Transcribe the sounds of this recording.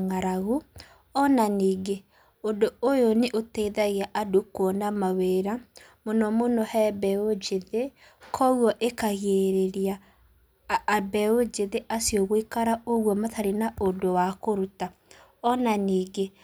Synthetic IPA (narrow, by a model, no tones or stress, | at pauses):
ŋaɾaɣu | ɔnaniːɡe | ondoojoneʔoteːðaɣiaʔadokwɔnamaweːɾa | monɔmonɔhɛbɛod͡ʒeðe | kʰɔɣwɔʔekaɣeɾeɾia | bɛod͡ʒeðeʔasjɔɣoikaɾaoɣwɔmataɾenaondowakoɾuta | ɔnaniːɡe